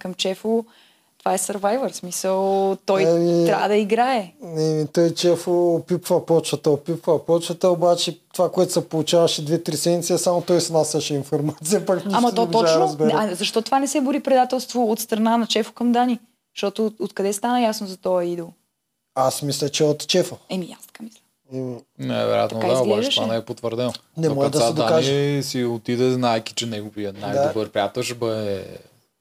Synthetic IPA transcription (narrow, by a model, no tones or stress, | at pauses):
kɐmt͡ʃɛfʊ | t̪ovaɛsɐɾvajvəɾsmisəlˠt̪ɔjmiɾʲavd̪ɐiɡɾaɛnɛmit̪ɔjt͡ʃɛfoːpipvɐpɔt͡ʃɐt̪ɐopipvɐpɔt͡ʃɐt̪ɐobat͡ʃɛt̪ovakoɛt̪ʊ̥sɐpolˠut͡ʃavɐʃɛd̪vɛt̪ɾisɛd̪nʲit̪siɐsamot̪ɔjsnasɛʃɛinfoɾmat̪sijɐpakniamɐɔt̪ɔt͡ʃanoɾəzbɛɾazɐʃt̪ɔt̪ovanɛsɛbʊɾipɾɛd̪at̪ɛlˠst̪voːt̪st̪ɾɐnanɐt͡ʃɛfo̥kɐmd̪ani | ʃt̪ɔt̪ʊːt̪kɐd̪ɛst̪anəjasnʊzɐt̪ɔɐid̪olˠ | asmislʲɐt͡ʃɛot̪t͡ʃɛfoɛmijast̪ɐ̥kamislʲɐ | nɛ̰vɛ̰ɾja̰t̪nokad̪iazɡlat͡ʃʒɛɛʃanɛpot̪vəɾd̪ɛnnɛmɔʒɛd̪ɐsaɛd̪oakaʒisiot̪id̪ɛznajkʲi̥t͡ʃɛnɛɡoviənajd̪aobəɾpɾʲjat̪əʃbəɛ